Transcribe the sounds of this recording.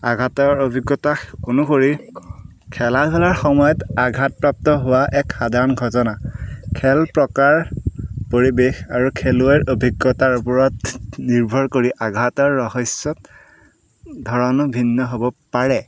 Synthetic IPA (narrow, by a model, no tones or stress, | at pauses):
aɡʱatɔɹobʱiɡːɔtaxkunukoɹi | kʰɛlapʰɛlaɹxɔmɔjɔtaɡʱat̚pɹap̚tɔɦʊwaʔɛkxadʱaɹɔnɡʱɔtɔnakʰɛlpɹɔkaɹpoɹibexaɹukʰeluɛɹʔobʱiɡːɔtaɹupɔɹɔtniɹbʱɔɹkoɹiʔaɡʱatɔɹːɔɦɔsɔt̚ | dʱɔɹɔnɔbʱinːɔɦobɔpaɹɛ